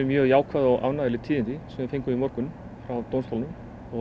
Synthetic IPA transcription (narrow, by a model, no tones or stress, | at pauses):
mjœːɣjaːwkʰvaðɔɣʔa̰vnaðɪlɪt̪ʰiːðɪnt̪ɪsɛmaɾfejŋkʏimɔɾkʏn | fɾawt̪ownst̪ʰalnʏm | ɔ